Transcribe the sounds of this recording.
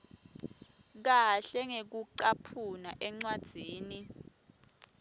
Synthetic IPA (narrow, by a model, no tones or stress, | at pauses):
k̬aɬɛŋek̬uǃapʰunaʔɛŋ͡ǀwad̥ʱiːni